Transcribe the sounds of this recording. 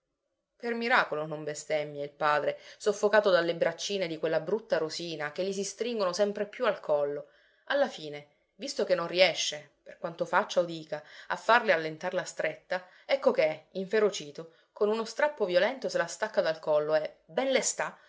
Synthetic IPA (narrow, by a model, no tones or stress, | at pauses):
permiɾaːkolonombest̪ɛmːjailpaːd̪ɾesofːokaːt̪od̪alːebɾat͡ʃːiːned̪ikwelːabɾut̪ːaɾosiːnak̟eʎːis̬ist̪ɾiŋɡonosɛmpɾepjualkʰɔlːo | alːafiːne | vist̪okenːonriɛʃːeperkwant̪ofat͡ʃːaod̪iːkaa̰fːarlealːent̪arlast̪ɾet̪ːa | ɛkːok̟eiɱfeɾot͡ʃiːt̪o | konunost̪ɾapːovjolɛnt̪oselast̪akːad̪alkɔlːoɛbɛnlest̪a